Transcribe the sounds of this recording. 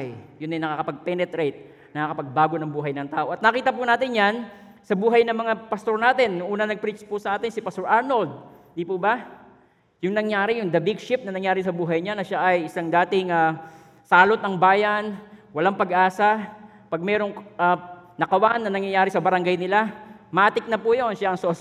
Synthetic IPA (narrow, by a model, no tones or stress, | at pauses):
jjʊnːɐjnɐkakɐpɐɡ̚pɛnɛt̪ɾejt̪̚ | nɐŋakɐpɐɡ̚baːɡo̞nɐŋbuːɦɐjnɐŋt̪aːʔo̞ʔɐt̪nɐkiːt̪ɐp̬ʊnaːt̪ɪnjan | sɐbuːɦɐjnɐŋmɐŋapɐst̪o̞ɾnaːt̪ɪnŋʔuːnɐnɐɡ̚pɾit͡ʃpʊsɐʔaːt̪ɪnsɪpɐst̪oɹʔaɹnold̪̚ | d̪ipʊbɐ | jʊŋnɐŋjaːɾɪjʊŋd̪ɐbɪɡʃɪp̚nɐnɐŋjaːɾɪsɐbuːɦɐjɲanɐʃaʔɐjɪsaŋd̪aːt̪ɪŋa | saːlot̪ɐŋbaːjɐnwɐlaŋpɐɡʔaːsɐ | pɐɡ̚mɛːɾo̞ŋʔanɐkɐwanːɐnɐŋjɐjaːɾɪsɐbɐɾɐŋɡajnɪlamɐʔat̪ɪk̚nɐpujonʃaʔɐŋsos